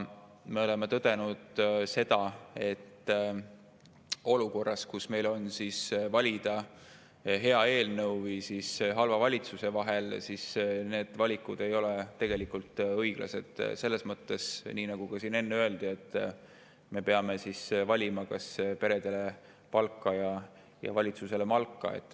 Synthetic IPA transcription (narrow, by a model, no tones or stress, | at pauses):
me̞o̞le̞met̪ɤd̪̥e̞nud̪̥se̞d̪̥ɑe̞t̪ː | o̞luko̞rːɑskusme̞jlo̞nsisvɑlʲid̪̥ɑ | ɦe̞ɑe̞ːlnɤwvijsisɦɑlvɑvɑlʲit̪suse̞vɑɦe̞lsisne̞ːd̪̥vɑlʲikːˑud̪e̞jo̞le̞t̪ːe̞ɡ̥e̞likːult̪ːɤjɡ̥lɑ̰se̞d̪̥se̞lːe̞smɤt̪ːe̞sniːnɑɡ̥uɡ̥ɑsiːne̞nːeø̞e̞ld̪̥ie̞t̪ː | me̞pe̞ɑme̞sisvɑlʲimɑkɑspe̞ɾe̞d̪̥e̞le̞ | pɑlkːˑɑjɑ | jɑ̰vɑlʲit̪suse̞le̞mɑlkːɑ̰ḛt̪ˑː